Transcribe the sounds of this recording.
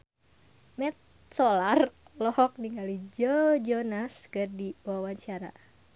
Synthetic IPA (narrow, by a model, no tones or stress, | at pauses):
mɛt̪̚ | sɔlarlɔhɔk̚niŋɡalid͡ʒɔd͡ʒɔnaskərdiwawaɲt͡ʃaɾa̰